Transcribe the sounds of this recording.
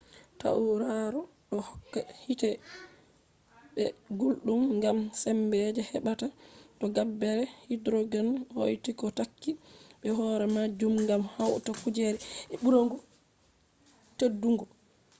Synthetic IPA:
ta̰ʔuɾaɾɔ | ɗɔhɔkːahitɛ | ɓɛɡulɗumŋɡamsɛmbɛd͡ʒɛhɛɓatatɔɡabːɛɾɛhidɾoɡanho̰jtikɔtakːiɓɛɦɔɾɛmad͡ʒumŋɡamhawtafud͡ʒeɾɛɛɓuɾoŋɡu | tedːuŋɡɔ

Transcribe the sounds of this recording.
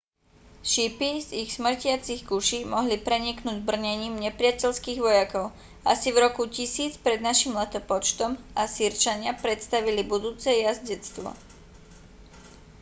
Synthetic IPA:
ʃipiziɣsmr̩cɪat͡siɣɡuʃimɔɦlipɾɛɲiknuːɟbr̩ɲɛɲiːmɲɛpɾɪacɛʎskiːɣʋɔjakɔʊ | asivɾɔkucisiːt͡spɾɛd̪naʃimlɛt̪ɔpɔt͡ʃt̪ɔmasiɾt͡ʃaɲɪapɾɛt̪st̪aʋilibud̪uːt͡sɛjazɟɛt͡st̪ʋɔ̰

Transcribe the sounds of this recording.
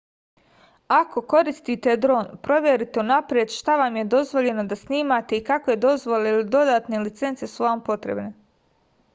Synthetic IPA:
ako̞ko̞ɾist̪it̪e̞d̪ɾo̞ːnpɾo̞ʋjeɾit̪e̞unapɾjed̪ʃt̪aʋamje̞d̪o̞zʋo̞ʎe̞no̞d̪asniːmat̪e̞ikakojed̪o̞zʋo̞leilid̪o̞d̪aːt̪ne̞lit̪se̞nt̪se̞suʋampo̞t̪ɾe̞̰bne̞

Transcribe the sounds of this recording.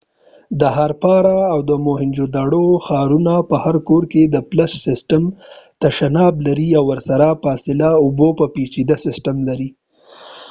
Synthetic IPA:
d̪əɦaɾpɑɾaːwd̪əmoɦɪnd͡ʒod̪aɽoxɑɾunapəhaɾkoɾked̪əplassɪsʈamt̪aʃanɑblaɾiawːəɾsaɾafɑsɪlaʊbopəpit͡ʃid̪asɪsʈamlaɾi

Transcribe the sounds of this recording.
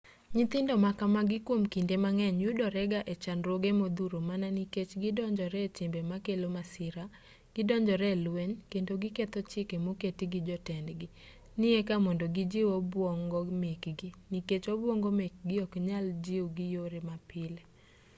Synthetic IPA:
ɲɪt̪ɪndɔmakamaɡɪkwomkindemaŋɛɲjudɔɾɛɡaʔɛt͡ʃanɾoɡemod̪uɾomananiket͡ʃɡɪdɔɲd͡ʒɔɾɛtɪmbɛmakelomasɪɾa | ɡ̥ɪdɔɲd͡ʒɔɾɛlweɲkendoɡɪket̪ɔt͡ʃɪkemoketiɡɪd͡ʒɔtɛndɡɪ | nɪekamɔndoɡid͡ʒiwobwɔŋɡɔmekɡɪniket͡ʃobwɔŋɡɔmek̚ɡɪɔkɲald͡ʒiuɡɪjoɾemapɪle

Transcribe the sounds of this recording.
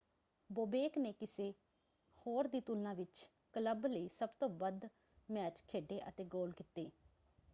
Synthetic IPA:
boːbeːkneːkɪseː | hoːɾd̪iːt̪ulãːʋɪt͡ʃ | kələbləiːsəbt̪õːbəd̪ | mɛːt͡ʃkʰeːɖeːʔə̰t̪eːɡoːlkɪt̪ːeː

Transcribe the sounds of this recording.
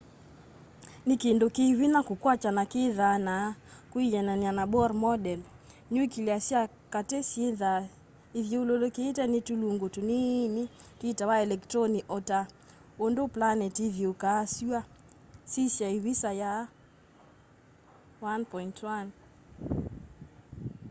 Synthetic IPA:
nɪkendokewinakukwat͡ʃanakɪðanakwijɛnanianabɔɾmɔdɛl | ɲuikiliasja | katesjeða | iðjoulolokeːtɛnetuluŋɡotuninititawaɛlɛktɾoniʔɔta | ondoplanɛtiðjokasia | sisjaiwisaja | wanpɔintwan

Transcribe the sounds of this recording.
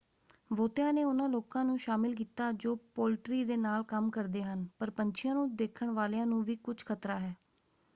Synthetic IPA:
ʋoːt̪ejãːneːʊnãːloːkãːnũːʃaːmɪlk̬iːt̪aːd͡ʒoːpoːlʈɾiːd̪eːnaːlkəmkəɾd̪eːɦənpəɾpəɲt͡ʃʰɪjãːnũːd̪eːkʰəɳʋaːlejãːnũːʋiːkʊt͡ʃʰkʰət̪ɾaːɦɛː

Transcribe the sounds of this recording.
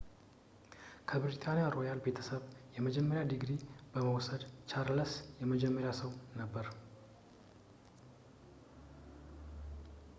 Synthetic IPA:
kʰəbɾit̪ʰanijaɾojalbe̞t̪ʰəsəβjɛməd͡ʒɛmːəɾjad̪iɡɾibəməwsəd̪t͡ʃʰaɾləsjɛməd͡ʒɛmːəɾjasəwnəbːəɾ

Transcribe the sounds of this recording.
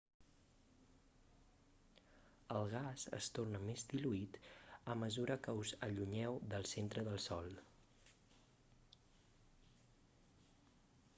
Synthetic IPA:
əlˠɣ̞azə̰st̪ornəmezd̪iluit̪əməzuɾʔəkəuzəʎuɲɛwðəlˠsent̪ɾəðəlˠsɔlˠ

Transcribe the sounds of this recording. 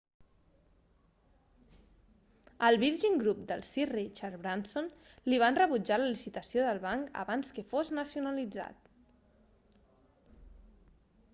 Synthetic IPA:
əlˠβiɾʒiŋɡɾup̚d̪əlˠsirit͡ʃaɾβɾansonliβ̞anrəβud͡ʒaləlisit̪əsioðəlˠβaŋkə̰βanskəfoznəsjunəlid͡za̰t̪

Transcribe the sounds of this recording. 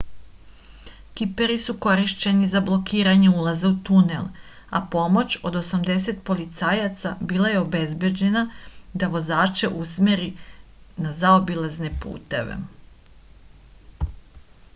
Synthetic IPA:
kipe̞ɾisuko̞ɾiʃt͡ɕe̞nizablˠo̞kiːɾaɲeulˠazaut̪unḛlˠ | a̰po̞mo̞t͡ɕo̞d̪o̞samd̪e̞se̞t̪po̞lit̪saːjat̪sabiːlˠaje̞o̞be̞zbje̞d͡ʑe̞nad̪aʋo̞zaːt͡ʃe̞ʔusmeɾi | nazaobilazne̞pṵːt̪e̞̰ʋḛ

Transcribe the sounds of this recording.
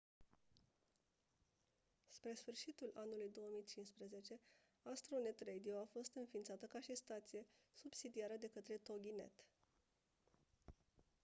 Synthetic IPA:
spɾe̞sfɨrʃit̪ulanulujd̪o̞wəmijt͡ʃinspɾəze̞t͡ʃe̞ | ast̪ɾone̞t̪red̪ioafo̞st̪ɨnfint̪sat̪əkaʃist̪at̪sije̞subsid̪iaɾəd̪e̞kət̪ɾe̞t̪o̞ɡʲine̞̰t̪

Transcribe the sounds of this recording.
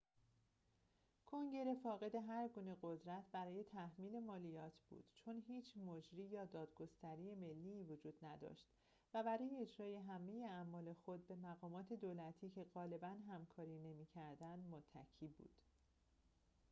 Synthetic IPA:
kʰo̞ŋɟe̞ɾe̞fɒːɣe̞d̪e̞ɦæɾɡuːne̞ɢo̞d̪ɾæt̪ʰbæɾɒːje̞t̪ʰæhmiːle̞mɒːlijɒːt̪ʰb̥ṵːd̪̥t͡ʃʰo̞nɦiːt͡ʃʰmod͡ʒɾiːjɒːd̪ɒːd̪̥ɡo̞st̪æɾiːje̞me̞lːiːvod͡ʒuːd̪̥næd̪ɒ̰ʃt̪ | væbæɾɒːje̞ed͡ʒɾɒːje̞ɦæme̞je̞æmːɒːle̞xo̞d̪̚be̞mæɣɒːmɒːt̪ʰe̞d̪oːlæt̪ʰiːcʰe̞ɣɒːle̞bænɦæmkʰɒːɾiːne̞miːcʰæɾd̪ænd̪mot̪ʰːæ̰cʰiːbṵːd̪̥

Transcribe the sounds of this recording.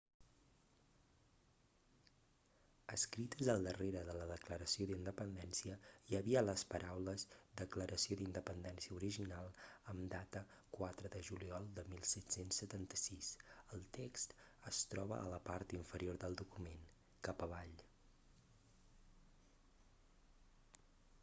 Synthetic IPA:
əskɾit̪əzəlˠd̪əreɾəðələðəkləɾəsioðind̪əpənd̪ɛnsiəiəβiələspəɾʔawləzd̪əkləɾəsioðind̪əpənd̪ɛnsiəuɾiʒinalˠəmd̪at̪ə | kwat̪ɾəðəʒuliɔlˠd̪əmilˠsɛt̪sensːət̪ant̪ə̥sisəlˠt̪ekst̪əst̪ɾɔβə̰ʔə̰ləpaɾt̪iɱfəɾioɾðəlˠd̪ukumen | kapəβ̞aʎ

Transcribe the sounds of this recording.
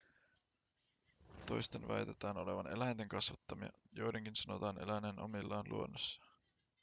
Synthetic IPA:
t̪o̞̰jst̪enʋæ̰jt̪e̞t̪æːno̞le̞ʋɑne̞læjnt̪eŋkɑsʋɑt̪ːɑmiɑ̰jo̞jdeŋkinsɑno̞t̪ɑːne̞̰læjnenʔomilːɑːnlʔṵo̞nːosːɑ̥

